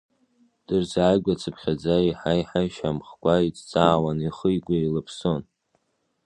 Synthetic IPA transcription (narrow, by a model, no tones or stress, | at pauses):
d̥ɨrzaːjɡʷat͡sʰɨpʰχʲad͡zaiħajħajʃamχkʷʰʼait͡st͡sʼaːwaniχəjɡʷailɨpʰso̞n